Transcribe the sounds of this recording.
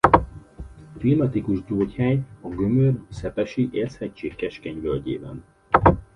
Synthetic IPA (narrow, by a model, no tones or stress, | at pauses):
filmɒt̪ikuʒɟoːchɛɲɒɡø̞mørsɛpɛʃiʔeːrshɛct͡ʃːeːkːɛʃkɛɲvølɟḛːbɛ̰n